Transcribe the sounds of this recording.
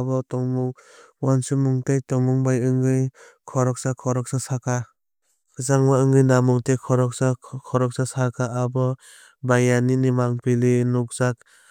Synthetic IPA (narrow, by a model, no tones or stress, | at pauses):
bɔtɔŋmuŋwansumuŋtejtɔŋmuŋbajɯŋɡɯj | kʰɔɾɔk̚sakʰɔɾɔk̚sasakʰa | kʰɯzaŋmaɯŋɡɯjnamuŋtekʰɔɾɔk̚sakʰɔɾɔk̚sasakʰaabɔ | bajaninimaŋpilinuk̚zak̚